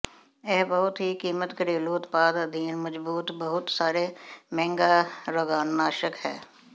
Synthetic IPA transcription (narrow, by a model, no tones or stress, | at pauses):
ɛːbəɦʊt̪ɦikiːmət̪kəɾeːluːt̪paːd̪əd̪ʱiːnməd͡ʒbuːt̪bəɦʊt̪saːɾeːmɛ̃ːŋɡaːɾoɡaːnːaːʃəkɦɛ̰ː